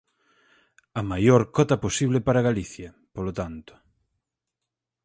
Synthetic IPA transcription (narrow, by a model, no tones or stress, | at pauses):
ɐmajoɾkɔt̪ɐposiβlɪpaɾaɣaliθjɐ | polot̪ant̪ʊ̥